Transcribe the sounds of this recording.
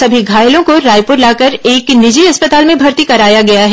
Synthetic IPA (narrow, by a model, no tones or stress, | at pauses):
sɐbʱiɡʱaːjlõkoɾaːjpʊɾlaːkɐɾeːknɪd͡ʒiɦɐspɐt̪aːlmẽbʱɐɾt̪ikɐɾaːjaɡɐjaɦɛː